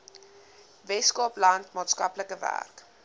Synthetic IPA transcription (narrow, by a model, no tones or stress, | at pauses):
vɛtskɑplɐntmɑːtskɐpləkəvæ̰rk